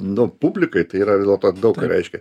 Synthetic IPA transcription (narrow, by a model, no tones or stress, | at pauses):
nʊpubʲlʲɪkɐɪt̪ɐɪiːɾɐʋʲɪzʲeɛlˠt̪oːd̪ɐʊkɐɾʲɛ̰ɪʃʲkʲɛ